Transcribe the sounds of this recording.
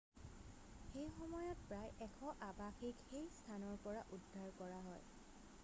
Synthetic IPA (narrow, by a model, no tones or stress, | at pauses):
xejxɔmɔjɔt̚pɹajʔɛkʰɔʔabaxikxejstʰanɔɹpɔɹaʔudʱaɹkɔɹaɦɔj